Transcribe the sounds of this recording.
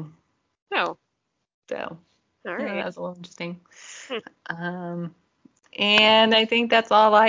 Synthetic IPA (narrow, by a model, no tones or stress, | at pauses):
noʊ | so̰ʊ | ææ̰tslɪlˠɪ̃nt͡ʃɹ̥ɨ̥stɪ̃ŋ | ʔʌ̃m | ʔɨ̃naɪθɪ̃ŋk̚ðætsɔlˠlaɪ